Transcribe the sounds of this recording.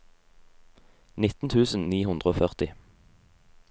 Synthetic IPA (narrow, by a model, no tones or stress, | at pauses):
nɪt̪n̩t̪ʰʉːsn̩niːhʉnd̪ʁəoːfœʁt̪ɪ